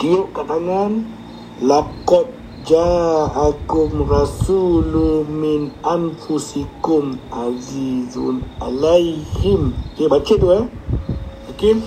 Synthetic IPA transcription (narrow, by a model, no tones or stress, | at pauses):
dijokat̪aŋan | lakɔt̚ | d͡ʒaakumɾasuluminanfusikumazizṵnalajhimheɓat͡ʃeduɛ | akin